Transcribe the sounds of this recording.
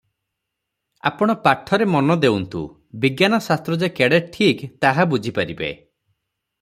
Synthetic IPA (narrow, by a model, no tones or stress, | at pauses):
a̰pɔɽ̃ɔpaʈʰːɔɾemɔnɔd̪eunt̪ṵ | biɡjanɔsast̪ɾɔd͡ʒekeɽeʈʰikt̪aɦabud͡ʒʱipaɾibḛ